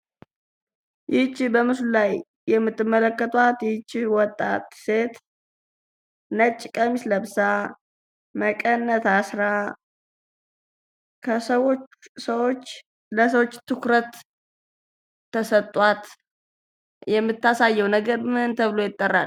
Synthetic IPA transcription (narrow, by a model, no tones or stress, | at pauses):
jɪt͡ʃːbəmɨslulaj | jɛmːɨt̪ːɨmːələkːət̪ʰʼwat̪jɪt͡ʃːwɔt̪ʼːa̰t̪se̞t̪ | nət͡ʃʼːɪkʼəmisləβsa | məkʼənːət̪asɾa | kʰəsəwosəwo̞t͡ʃː | ləsəwo̞t͡ʃːt̪ːɨkɾət̪ | əsət̪ʼːwat̪ | jɛmːɨt̪ːasajːɛwnəɡəɾmɨhɨnt̪ʰəβlo̞jɪt̪ʼːərːa̰l